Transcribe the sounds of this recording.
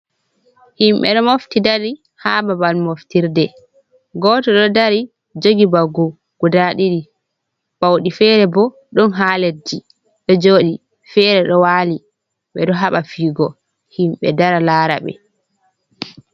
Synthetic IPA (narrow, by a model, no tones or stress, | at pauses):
himɓɛ̰ɗɔmoftidaɾi | haːbabalmoftiɾdɛ | ɡɔːtɔɗɔdaɾi | d͡ʒoɡibaɡu | ɡ̥udaɗiɾi | bawɗifɛːɾɛbɔ | ɗunɦaːled͡ʒi | ɗɔd͡ʒoːɗi | fɛːɾɛɗɔwaːli | ɓɛɗɔɦaɓafiːɡɔ | himɓɛ̰daɾalaːɾa̰ɓɛ̰